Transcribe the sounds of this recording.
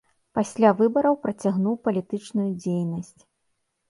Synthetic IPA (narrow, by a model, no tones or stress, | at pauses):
pasʲlʲavɨbɐɾɐwpɾɐt͡sʲaɣnuwpɐlʲit̪ɨt͡ʂnujud͡zʲejnɐsʲt͡sʲ